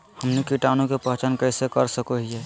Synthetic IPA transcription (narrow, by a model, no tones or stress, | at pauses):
həmnikiʈaːnõkepəɦt͡ʃənkəɪsekəɾsəkoɦiɛ